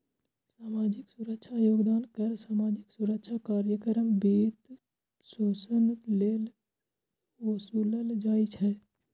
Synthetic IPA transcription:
saːmaːd͡ʒɪksuɾəkʃʰajoːɡd̪aːnkəɾsaːmaːd͡ʒɪksuɾəkʃʰakaːɾjəkəɾəmbiːt̪ | soːsəmt̪leːl | osuːləld͡ʒaːit͡ʃʰɛ

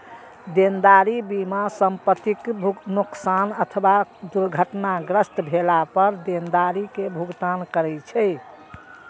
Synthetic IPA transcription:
d̪end̪aɾibimasəmpət̪iknuksanət̪ʰəbad̪uɾɡʱəʈnaɡɾəst̪bʱelapəɾd̪end̪aɾikebʱuɡt̪ankəɾɛt͡ʃʰɛj

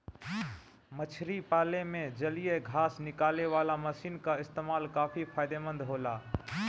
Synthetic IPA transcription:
mət͡ʃʰɾipaːlemẽd͡ʒəlijeɡʱaːsnɪkaːleʋaːlaməsiːnkaɪst̪eːmaːlkaːfʰipʰaːɪd̪emə̃nd̪ɦoːlaː

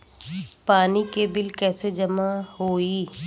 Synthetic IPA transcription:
paːnikebɪlkɛːsed͡ʒɐmahoːiː

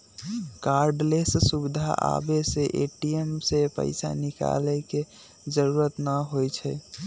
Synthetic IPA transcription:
kaɾɖlessubid̪ʱa̰ʔa̰beseʔeʈiemsepə̰ɪsa̰nika̰lɛke | d͡ʒəɾuɾət̪nəɦojt͡ʃʰɛ

